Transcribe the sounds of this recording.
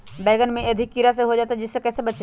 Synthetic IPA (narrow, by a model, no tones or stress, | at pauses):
bɛːɡənmẽɐd̪ʱɪkːiɾas̬eɦod͡ʒaːt̪ad͡ʒɪsːekɛːsebɐt͡ʃe